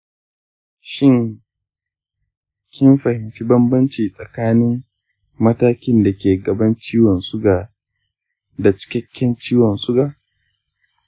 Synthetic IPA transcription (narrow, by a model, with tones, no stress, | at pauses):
ʃɪ˦ŋ | kʲɪ˦mɸɐ˨hɪ˨mt͡ʃi˦bɐ˦mbɐ˦nt͡ʃiː˨sʼɐ˨kaː˦nɪ˦mː | ɐ˦taː˦kʲɪ˦nda˨kʲeː˨ɡɐ˨bɐ˦nt͡ʃiː˦wɔ˨nsʊ˦ɡaː˨ | da˨t͡ʃɪ̥˦kʲɐ˦kʲːɛ˦nt͡ʃiː˦wɔ˨nsʊ˦ɡaː˨